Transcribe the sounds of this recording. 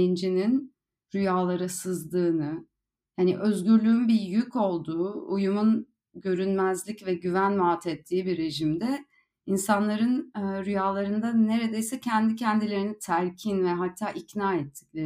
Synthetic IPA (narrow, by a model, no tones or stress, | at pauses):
ind͡ʒinin | ɾyjaːlˠaɾɯsɯzlˠɯːnɯ | haniʔø̞zɟyɾlʲyːynbijycʰo̞lˠd̪uːujumun | ɟø̞ɾynmæzlʲicvɛɟyvænmaːt̪ʰɛt̪ʰːiːbiɾe̞ʒimd̪ɛ | insanlˠaɾɯnɾyjaːlˠaɾɯnd̪aneɾe̞d̪e̞jsɛcʰænd̪icʰɛnd̪ilʲe̞ɾinit̪ʰæɾcʰinvɛɦat̪ʰːaːʔicnaːɛt̪ʰːi̥clʲe